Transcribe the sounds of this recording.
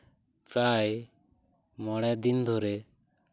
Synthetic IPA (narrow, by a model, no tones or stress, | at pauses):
pɾaj | mɔɽ̃ɛd̪ind̪ʱɔɾɛ